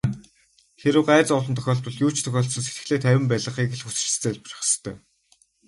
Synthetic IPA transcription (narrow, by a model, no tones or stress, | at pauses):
xeɾɘ̆wɢæːt͡sɔɮɞ̆nt̪ʰœ̥xʲɔːɮt̪ɞ̆ɮjuːt͡ɕt̪ʰœxʲɔːɬsɞ̆nse̥t̪ɘ̆xɮeːt̪ʰæwʲɪ̆mpæɮʁə̆χiːkĕɮxut͡s̆ɮt͡seːɮpr̆χ̆st̪ʰœ̰ː